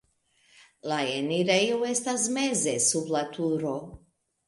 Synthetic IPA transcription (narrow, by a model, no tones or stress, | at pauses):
lajeniɾajuwest̪azmɛzɛsublat̪ʰuɾo